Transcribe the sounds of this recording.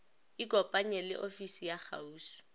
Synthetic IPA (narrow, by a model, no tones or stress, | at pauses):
ɪkɔpʼaɲɛlɪ̰ʔofisijak͡xa̰uːsi̥